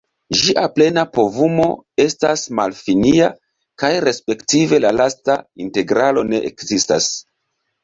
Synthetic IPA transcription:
ʒiʔaple̞napo̞vumo̞̰e̞stasmalfinia | kajɾe̞spe̞ktive̞lalastainte̞ɡɾalo̞ne̞ʔekzista̰s

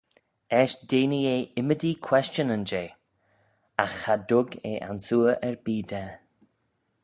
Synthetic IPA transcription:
ɛʃd̥eːnieːɪmədikʰw̥ɛst͡ʃənənd͡ʒeː | axhad̪ʊɡḛːʔa̰nsuːəʔɛɹbiːd̪ɛ

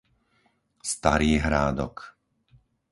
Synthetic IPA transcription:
st̪a̰ɾiːɦɾaːd̪ɔ̰k

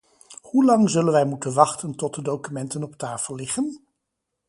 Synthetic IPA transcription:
hulɑŋzɵlənʋɛjmutənʋɑχtəntɔt̚dədowkymɛntənɔp̚taːfəlˠːɪχən

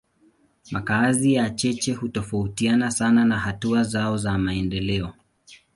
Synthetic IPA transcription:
makazijat͡ʃɛt͡ʃɛhutɔfautianasananahatuazaɔzamaɛndɛlɛɔ

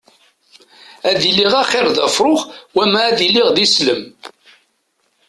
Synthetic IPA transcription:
æðilːiʁæχɪɾˤðæ̰fɾˤoχwæmæːðiliʁðisləm

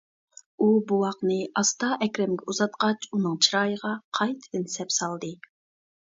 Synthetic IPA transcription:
ubuwɑqnɨʔɑst̪ɑʔɛkʲɾɛmɡʲɛuzɑt̪̚qɑt͡ʃunɨŋt͡ʃʰiɾɑːjəʁɑqʰɑjt̪ʰɨ̥d̪ɨnsɛpsɑlˠd̪ɨ

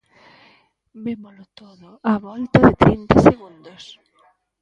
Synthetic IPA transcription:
bemolʊt̪oðʊaβɔlt̪ɐðɪt̪ɾint̪aseɣũnd̪os

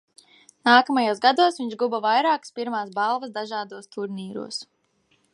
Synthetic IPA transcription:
naːkɐmɐjuːsɡad̪uɔsvʲiɲʒɡubɐvajɾaːkspiɾmaːsbalˠvəsd̪aʒaːd̪uɔst̪ʰuɾniːɾṵːɔs

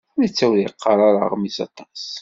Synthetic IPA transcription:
ænit͡sːæwliqʰːɑɾˤɑɾə̰ʁmisɑ̰t̪ˤɑs

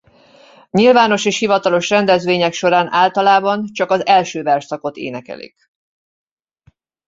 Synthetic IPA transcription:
ɲilvaːno̞ʃeːʃhivɒt̪ɒlo̞ʃrɛnd̪ɛzʋeːɲɛkʃo̞ɾaːnʔaːlt̪ɒlaːbɒnt͡ʃɒkɒzɛlʃøːvɛrʃsɒko̞t̪ḛːnɛkɛ̰lḭk

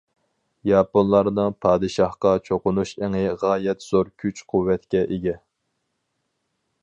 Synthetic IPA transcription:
jɑːponlˠɑɾnɨŋpʰɑːd̪ɨʃɑhqɑt͡ʃʰoqʊnuʃeŋɪʁɑːjɛt̪z̥oɾkʲʰyt͡ʃqʰuwːɛt̪kʲɛʔeɡʲɛ

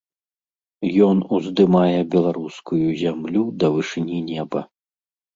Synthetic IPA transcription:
jɔnuzd̪ɨmajɛbʲɛlˠaɾuskujuzʲamlʲud̪ɐvɨʂɨnʲinʲɛbɐ̰

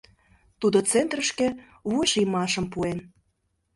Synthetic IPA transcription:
t̪ud̪ot͡sent̪rəʃkĕ | βueʃijmɑʃə̆mpuen

